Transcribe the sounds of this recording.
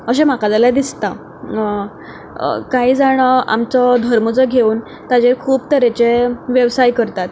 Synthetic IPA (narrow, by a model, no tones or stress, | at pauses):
əɕem̤akad͡zalad̪ist̪a | kaɦiːd͡zaɽ̃əa̰mt͡sɔd̪ʱəɾmət͡sɔɡʱeuːn | t̪ad͡ʑekʰuːpt̪əɾet͡ɕeʋjəʋsajkəɾt̪at̪